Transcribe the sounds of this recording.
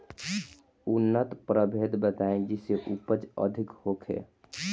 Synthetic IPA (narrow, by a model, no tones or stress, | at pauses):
ʊnːət̪pɾəbʱeːd̪bət̪aẽd͡ʒɪseʔupəd͡ʒə̰d̪ʱikhoːkʰɦḛː